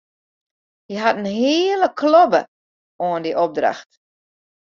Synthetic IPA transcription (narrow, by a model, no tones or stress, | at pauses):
jəɦatənɦiːələkʰlobə̰ | oəndiʔob̚dra̰xt